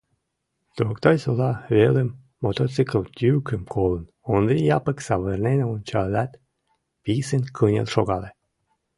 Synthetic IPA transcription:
t̪ɾokt̪ɑjʲsolˠɑβeləmː | ot̪ot͡sɨkəlˠt̪ʲykəmkʰolˠə̆nonɾijɑpəksɑβərneneont͡ɕɑlʲæt̪ | pisenkʰɤnʲḛlˠʃoɣɑle

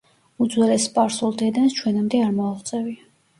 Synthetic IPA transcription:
ud̪zwɛlɛspʼaɾsulˠd̪ɛd̪anst͡ʃʰwɛnamd̪ɛaɾmɔaχt̪sʼɛvia

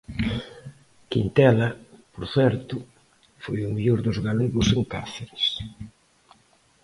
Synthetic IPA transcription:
kint̪ɛlɐpoɾθɛɾt̪ʊ | fojʊmiʎoɾðʊzɣaleɣʊseŋkaθeɾɪs

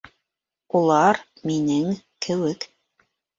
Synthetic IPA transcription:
ulˠɑɾ | minɘŋ | kʰɘ̆wɘk

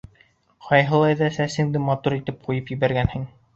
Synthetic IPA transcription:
qʰɑjɦɤ̆lˠɑjðɑsæsɘŋd̪ɘmɑt̪uɾit̪ɘp̚qujɤpjɘ̆βæɾɡænhɘŋ

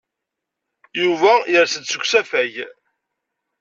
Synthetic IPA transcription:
juvæjəɾsəd̪səkʷsæfæj

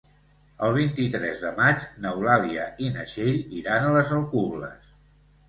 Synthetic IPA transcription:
əlˠβ̞int̪it̪ɾɛzðəmad͡ʒnəwlaliəʔinəʃeʎiɾanələzəlˠkuβlə̰s

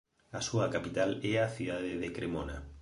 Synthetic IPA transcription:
asuɐkapit̪alɛaθiðaðeðekɾemona

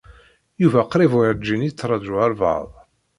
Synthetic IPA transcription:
juvæqɾˤivʕd͡ʒːinit͡sːɾˤɑd̪ʒuæɾˤvɑ̰ðˤ

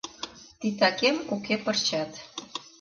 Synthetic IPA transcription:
t̪it̪ɑkemukepərt͡ɕɑt̪

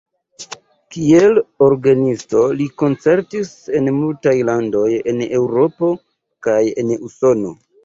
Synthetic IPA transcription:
kie̞lo̞ɾɡanisto̞liko̞nt͡se̞ɾtise̞nmultajlando̞je̞ne̞wɾo̞po̞ | kaje̞̰nuso̞no̞

